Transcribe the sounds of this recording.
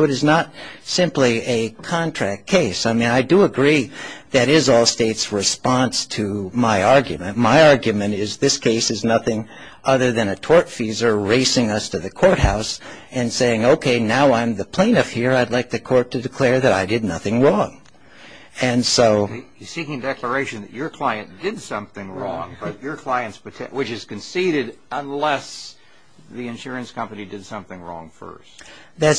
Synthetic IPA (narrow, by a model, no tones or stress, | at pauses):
ʊɨɾɨznət̚sɪ̃mpliɨkʰɑ̃ntʰɹ̥æk̚tkʰeɪsaɪmĩnaɪdəəɡɹiðɨɾɪzɔlˠsteɪtsɹɨspɑ̃nstʰɨmaɪɑɹɡjɨmɨ̃nmaɪɑɹɡjɨmɨ̃ñɪzðɪskʰeɪsɨznʌθɪ̃ŋ | ʔʌðə˞ðɨ̃nɨtʰɔɹtfizə˞ɹeɪsɪ̃ŋʌstʰɨðɨkʰɔɹt̚haʊsɨ̃nseɪɪ̃ŋoʊkʰeɪnaʊãɪ̃mðɨpʰl̥ẽɪ̃nʌfhiɹaɪdˡlaɪk̚ðɨkʰɔɹtʰɨdɨkʰl̥ɛɹðɨɾaɪdɨdⁿnʌθɪ̃ŋɹɔ̃ŋ | ɨ̃nsoʊ | sikɪ̃ŋdɛklə˞eɪʃɨ̃nðɨ̰t͡ʃə˞kʰl̥aɪɨ̃nd̥ɪdsʌ̃mθɪ̃ŋɹɔ̰̃ŋbʌt͡ʃə˞kʰl̥aɪɨ̃ntspɨtʰɛwɨt͡ʃɨz̥kɨ̃nsiɾɪɾə̃nlɛs | ðiɨ̃nʃʊɹɨ̃nskʰʌ̃mpɨnidɨd̥sʌ̃mθɪ̃ŋɹɔ̰̃ŋfɜ̰˞st̚ | ðæs